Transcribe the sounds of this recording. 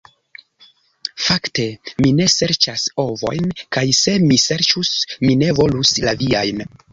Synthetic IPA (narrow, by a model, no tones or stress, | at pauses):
fakte̞mine̞se̞ɾt͡ʃaso̞vo̞̰jnkajse̞mise̞ɾt͡ʃusmine̞vo̞luslaviajn